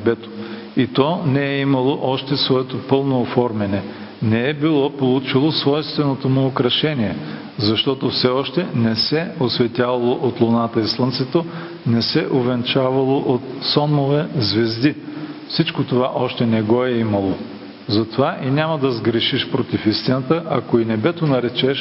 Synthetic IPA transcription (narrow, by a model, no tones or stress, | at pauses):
bɛt̪o̥ | it̪ɔnɛɛimɐlˠoʔɔʃt̪ɛsvoɛt̪opɤlˠnoːfɔɾmɛnɛ | nɛɛbilˠɔpolˠut͡ʃilˠosvɔjst̪vɛnot̪omʊːkɾɐʃɛniɛ | zɐʃt̪ɔt̪ofsɛɔʃt̪ɛnɛsɛosvɛt̪ʲavɐlˠoʔot̪lˠonat̪əislˠənt̪sɛt̪o | nɛsɛʔovɛnt͡ʃavɐlˠoʔot̪sɔnːovɛzvɛzd̪ifsit͡ʃkot̪ovaʔɔʃt̪ɛnɛɡɔɛimɐlˠo | zɐt̪ovaʔinʲamɐd̪ɐzɡɾɛʃiʃpɾot̪ifist̪inət̪əʔɐkoinɛbɛt̪onɐɾɛt͡ʃɛʃ